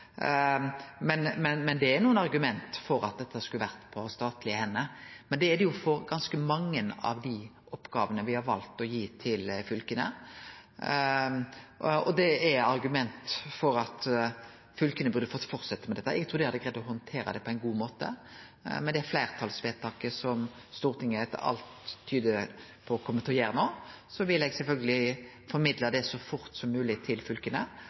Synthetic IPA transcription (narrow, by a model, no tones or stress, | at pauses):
mɛnmɛnmɛnd̪ɛæɾnuːənɑɾɡʉmɛnt̪fɔɾɑt̪̚d̪ɛt̪ːəskʉləʋæɾt̪pʰɔst̪ɑːt̪lɪəhɛnːəmɛnd̪ɛæɾd̪ɛjʊfɔɾɡɑnskəmɑŋːənɑ̰ʋd̪ɪ | ʔɔpːɡɑːʋənəʋɪhɑɾʋɑ̰lt̪ɔjiːt̪ʰɪlfʏlkənə̰ | ɔd̪ɛæɾɑɾɡʉmɛnt̪fɔɾɑt̪ | fʏlkənəbʉɾd̪əfɔt̪ːfɔɾt̪sɛt̪ːəmɛd̪ɛt̪ːæ̰ɾɛɡt̪ʰuːd̪ɪhɑd̪ːəɡɾæd̪ːɔhɔnt̪ʰeːɾəd̪ɛpʰɔæɪnɡuːmoːt̪ə̰ | mɛnd̪ɛæɾflæɪʁt̪ʰɑlsʋeːt̪ʰɑːkəsɔm | st̪uːʁt̪ʰɪŋəɛt̪ːə̰ɑ̰lt̪ʰːyːd̪əpʰɔkʰɔmːət̪ʰɔjeːɾənoːsɔʋɪlːɛɡsɛlfœlɡəlɪ | fɔɾmɪd̪ləd̪ɛsɔfʊɾt̪sɔmːʉːlɪt̪ʰɪlfʉlkənə